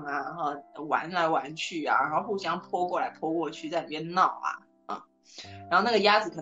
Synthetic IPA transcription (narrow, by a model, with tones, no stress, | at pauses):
ŋa˨˩˧o˥˧˩wa̰˧˥nla˧˥ɪwa˧˥nt͡ɕʰy˥˩a̰˨˩ɻa̰˧˥xo˥˧ʊxu˥˩ɕjɑ˥ŋpʰwɔ˥kwɔ˥˩la˧˥ɪpʰwɔ˥kwɔ˥˧t͡ɕʰy˥˧t͡sa˥ɪi˨˩jɛ˥nnɑ˥˩ʊɐ̰˩ | ɻa˧˥xo˥˧ʊna˥˩ɡə˩ja˥d͡zɹ̩˨˩kʰɤ˨˩